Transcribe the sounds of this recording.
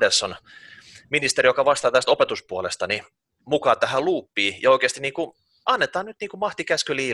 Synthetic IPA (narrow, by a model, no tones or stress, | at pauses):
desːon | minist̪eɾijokɑʋɑst̪ɑːt̪æst̪opet̪uspuolest̪ɑni | mukɑːt̪æhæluːpːiːjɑoikeːst̪iniːŋku | ɑnːet̪ɑːnnyt̪niːŋkumɑht̪ikæskøliː